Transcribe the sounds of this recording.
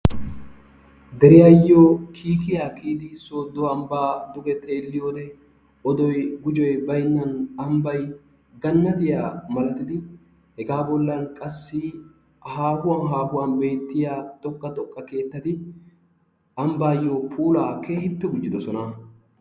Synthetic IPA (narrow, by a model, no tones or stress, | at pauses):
d̪ɛɾɪjajːoːkʰiːk̬ɪjaːkiːd̪ɪsːoːd̪ɔɐmbaːd̪ʊɡɛt̪ʼeːlːɪjo̞ːd̪ɛ | ɔd̪ɔjɡʊd͡ʒɔjbɐjnːɐnɐmbɐj | ɡɐnːɐt̪ɪjaːmɐlɐt̪ɪd̪ɪ | hɛɡaːbɔlːɐnkʼɐsːɪ | haːhʊwanɦaːhʊwaːnbe̞ːt̪ːɪjaːt̪ʼɔkːɐt̪ʼɔkʼːɐke̞ːt̪ːɐt̪ɪ | ɐmbaːjːoːpʰuːlaːkʰe̞ːhɪpːɛɡʊd͡ʒːɪd̪ɔsɔna